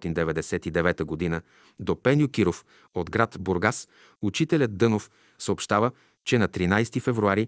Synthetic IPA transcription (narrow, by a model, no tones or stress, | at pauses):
t̪ind̪ɛvɛd̪ɛsɛt̪id̪ɛvɛt̪əɡod̪inə | d̪opɛnjʊkiɾof | od̪ɡɾat̪boɾɡas | ut͡ʃit̪ɛlʲəd̪̚d̪ɤnof | səoːpʃt̪avə | t͡ʃɛnɐt̪ɾinajst̪ifɛvɾuaɾi